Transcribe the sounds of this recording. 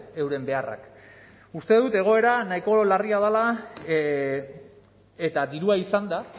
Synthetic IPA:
e̞wɾe̞mbe̞ara̰k | ust̪e̞ðut̪e̞ɣ̞o̞e̞ɾanaiko̞lariað̞ala | et̪aðiɾuaisand̪a

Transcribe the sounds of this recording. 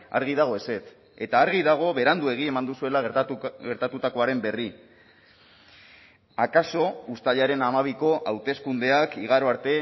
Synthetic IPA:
a̰ɾɣ̞iðaɣ̞o̞e̞se̞t̪ | e̞t̪aːɾɣ̞iðaɣ̞o̞βe̞ɾand̪ue̞ɣ̞iemand̪usue̞laɣe̞ɾt̪at̪ut̪ako̞aɾe̞mbe̞ri | akaso̞ust̪aʎaɾe̞namaβ̞iko̞ʔawt̪e̞skund̪e̞akiɣaɾo̞aɾt̪e̞

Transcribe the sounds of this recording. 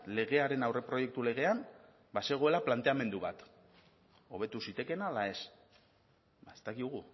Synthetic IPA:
le̞ɣ̞e̞aɾe̞nawre̞pɾo̞je̞k̚t̪ule̞ɣ̞e̞am | baseɣ̞o̞e̞laplant̪e̞ame̞nd̪uβat̪ | o̞β̞e̞t̪usit̪e̞ke̞nalae̞s | aest̪akiðuɣ̞u

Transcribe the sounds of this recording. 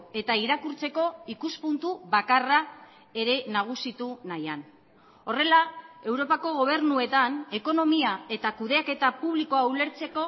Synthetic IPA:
e̞t̪aiɾakuɾt͡se̞ko̞ikuspunt̪uβakara | e̞ɾe̞naɣ̞usit̪unajan | o̞re̞lae̞wɾo̞pako̞ɣ̞o̞β̞e̞ɾnue̞t̪ane̞ko̞no̞miae̞t̪akuð̞e̞ake̞t̪apuβliko̞awle̞ɾt͡se̞ko̞

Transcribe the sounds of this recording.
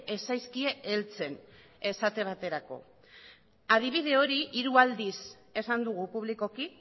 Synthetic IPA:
e̞sajskie̞ʔelt͡se̞n | e̞sat̪e̞β̞at̪e̞ɾako̞̰ | aðiβ̞ið̞e̞o̞ɾiʔiɾuald̪is | e̞sand̪uɣ̞upuβlikoki

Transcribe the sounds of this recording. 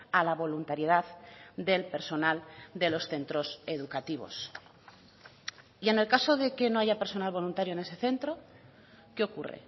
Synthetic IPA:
alaβ̞o̞lunt̪aɾjeð̞aðd̪e̞lpe̞ɾso̞nald̪e̞lo̞sθe̞nt̪ɾo̞se̞ðukat̪iβ̞o̞̰s | ie̞ne̞lkaso̞ðe̞ke̞no̞aʝape̞ɾso̞nalβo̞lunt̪aɾjoene̞se̞θe̞nt̪ɾo̞ | ke̞o̞kurḛ

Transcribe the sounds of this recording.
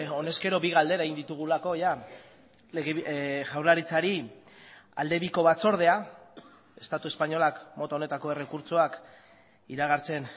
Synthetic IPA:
o̞ne̞ske̞ɾo̞βiɣ̞ald̪e̞ɾaeind̪it̪uɣ̞ulako̞ja | leɣeʝawɾlaɾit͡saɾi | a̰ld̪e̞βiko̞βat͡so̞ɾð̞e̞a | e̞st̪at̪ue̞spaɲo̞lakmo̞t̪aone̞t̪ako̞e̞re̞kuɾt͡soak | iɾaɣ̞aɾt͡se̞n

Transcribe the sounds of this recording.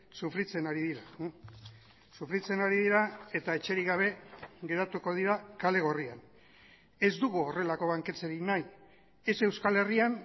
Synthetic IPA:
sufɾit͡se̞naɾiðiɾa | sufɾit͡se̞naɾiðiɾae̞t̪aet͡ʃe̞ɾiɣaβ̞e̞ɣe̞ɾat̪uko̞ð̞iɾakale̞ɣ̞o̞rian | e̞zd̪uɣuore̞lako̞βaŋke̞t͡seɾinaj | e̞se̞wskale̞rian

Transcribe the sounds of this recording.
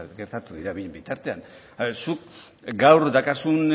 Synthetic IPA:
ɡe̞ɾt̪at̪uðiɾaβiʎembit̪aɾt̪e̞an | suk̚ | ɡawɾd̪akasun

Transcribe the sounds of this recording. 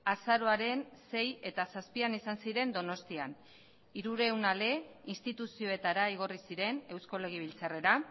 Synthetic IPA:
asaɾo̞aɾe̞nse̞je̞t̪asaspianisansiɾe̞nd̪o̞no̞st̪ian | iɾuɾe̞wnale̞inst̪it̪usio̞e̞t̪aɾaiɣ̞o̞risiɾe̞ne̞wsko̞le̞ɣ̞iβ̞ilt͡sare̞ɾa

